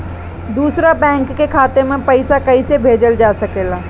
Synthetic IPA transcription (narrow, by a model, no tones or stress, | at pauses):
d̪uːsɾabɛ̃ːŋkːekʰaːt̪emẽpɐɪsakɐisebʱeːd͡ʒəld͡ʒaːsɐkeːlaː